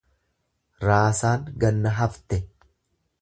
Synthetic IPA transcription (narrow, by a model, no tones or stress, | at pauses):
ɾaːsaːŋɡɐnːɐɦɐft̪ɛ